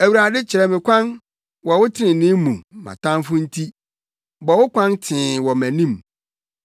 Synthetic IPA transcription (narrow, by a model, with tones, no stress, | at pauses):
æ˨wu˨ɾa˨dɪ˦t͡ɕʰɪ˨ɾɛ˨mɪ̃˨kʷʰã˦n | wɔ˨wʊ˦tʰɪ˦nɪ̃˨nɪ̃˦mũ˨mã̰˨tʰã˦mfʊ̃˦n̩˦tʰi˦ | bɔ˨wʊ˦kʰʷã˦ntʰɪ̃ː˨wɔ˨mæ̃˨nĩ˦˨m